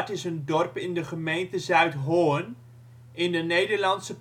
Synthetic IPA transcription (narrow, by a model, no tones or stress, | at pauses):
tɪsəndɔrpɪndəχəmejntəzœɥtɦoːən | ɪndənejdərlɑntsəp